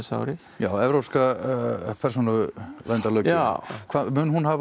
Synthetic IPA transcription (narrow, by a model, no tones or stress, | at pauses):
sa̰wɾɪ | jaːwɛvɾowpska | pʰɛɾ̥s̬onavɛnt̪alœɥkkʰvamʏnhunhav